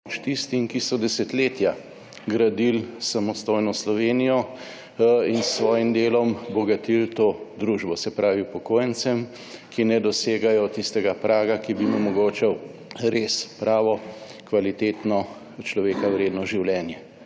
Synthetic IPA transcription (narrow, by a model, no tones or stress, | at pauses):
t͡ʃt̪ist̪imkisɔd̪ɛsɛt̪leːt̪ja | ɡɾad̪ilsamɔst̪oːjnɔslɔʋeːnijɔ | insʋɔːjimd̪eːlɔmbɔɡat̪ilt̪oːd̪ɾuːʒbɔsɛpɾaːʋipɔkoːjənsɛm | kinɛd̪ɔseːɡajɔt̪ist̪ɛɡapɾʔaːɡakibimɛmɔɡoːt͡ʃɛw | ɾespɾaːʋɔkʋalit̪eːt̪nɔ | t͡ʃlɔʋeːkawɾeːd̪nɔʒiwlɛːnjɛ